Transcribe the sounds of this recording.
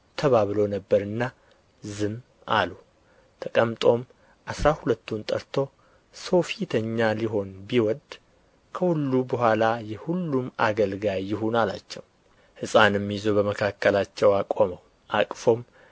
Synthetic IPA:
t̪ʰəβaβlo̞nəbːəɾɨnːa | zɨm | a̰lu | t̪ʰəkʼəmt̪ʼo̞m | ʔasɾahulət̪ːunt̪ʼə̰ɾt̪ʰo̞ | so̞fit̪ʰəɲːaliɦo̞nbiwɔd̪ | kʰəhulːubəhʷalajɛhulːuma̰ɡəlɡajːɪɦunala̰t͡ʃːɛw | hɨsʼanjɛmːijzo̞bəməkʰakʰːəlat͡ʃːɛwakʼoməw | ʔakʼfo̞m

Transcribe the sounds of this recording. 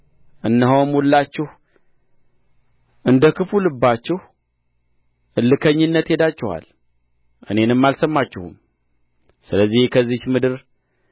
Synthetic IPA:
ʔɨnːɨɦowmwulːat͡ʃːɛh | ʔɨnd̪əkɨfulɨbːat͡ʃːɛh | ʔɨlːɨkʰəɲːɨnːət̪he̞d̪at͡ʃːɛha̰l | ʔɨ̰ne̞nɨmːalsəmːat͡ʃːɛhṵm | sɨləzːihkʰəzːit͡ʃmɨd̪ɨɾ

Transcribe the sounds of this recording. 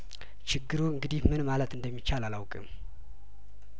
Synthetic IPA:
t͡ʃɪɡːɨɾuɨŋɡɨd̪ihmɨnmalət̪ʰɨnd̪əmːit͡ʃːalalawkʼɨ̰m

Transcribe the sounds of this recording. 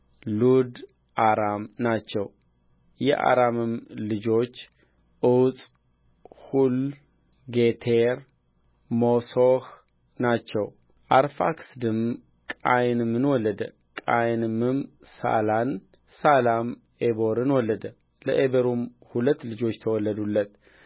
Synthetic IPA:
lud̪ | ʔaɾamnat͡ʃːɛw | jɛ̰ʔa̰ɾamɨmlɨd͡ʒo̞t͡ʃː | ʔɨwt͡sʼ | hul | ɡet̪ʰeɾ | mosoh | nat͡ʃːɛw | ʔaɾfa̰ksd̪ɨm | kʼajnɨmːɨnwɔlːəd̪ə | kʼajnɨmːɨm | sa̰lan | salam | ebo̞ɾɨnwɔlːəd̪ə | lə̰ʔebəɾumhulət̪ːlɨd͡ʒo̞t͡ʃːt̪ʰəwɔlːəd̪ulːət̪

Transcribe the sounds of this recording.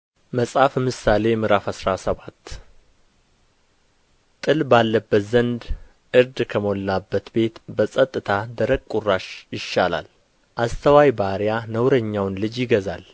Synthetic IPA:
məsʼafmɨsale̞mɨɾafasɾasəβat̪ː | t̪ʼɨlbalːəbːət̪zənd̪ | ʔɨɾd̪kʰəmolːabːət̪be̞t̪bəsʼət̪ʼːɨt̪ʰad̪əɾəɡkkʼuraʃjɪʃːala̰l | ʔast̪ʰəwajbaɾjanəwɾəɲːawnlɨd͡ʒjɪɡəza̰l

